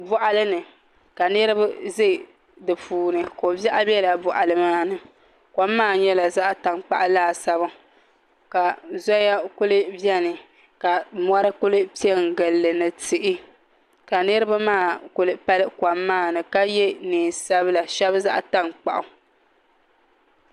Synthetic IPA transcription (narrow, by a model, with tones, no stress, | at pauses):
bɔ˨ʔa˨lɨ˦nɨ˨ | ka˨nɨ˦ɾɨ˦bɨ˦zɨ˦˨ | dɨ˨pʰuː˨nɨ˨ko˨bɛ˦ʔa˦bɛ˦la˨bʊ˨ʔa˨lɨ˨maː˦nɨ˨ | kʷa˨mːaː˦˨ɲɛ˦la˨za˦ʔta˨ŋk͡pa̰˨ʔa˦laː˦˨sa˦bɨ˦ | ka˨zɔ˦ja˦kʊ˦lɨ˦bjɛ˦nɨ˨ | ka˨mɔ˦ɾɨ˦kʊ˦lɨ˦pi˦ɛ˦ŋ˨ɡɨ˨lːɨ˨nɨ˨tɨ˨ʔɪ˦ | ka˨nɨ˦ɾɨ˦ba˦maː˦˨kʊ˦lɨ˦pa˦lɨ˦kwa˨mːaː˦˨nɨ˨ka˦jɛ˦niː˨sa˦bɨ˦la˨ʃɛ˦bza˦ʔa˦ta˦ŋk͡pa˨ʔʊ˨